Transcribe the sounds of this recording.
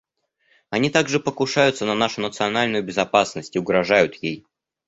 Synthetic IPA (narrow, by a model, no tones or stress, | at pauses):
ɐnʲit̪aɡʐɨpəkʊʂajʊt̪sənɐnaʂʊnət̪sɨɐnalʲnʊjʊbʲɪzɐpasnəsʲtʲɪʊɡɾɐʐajʊt̪jej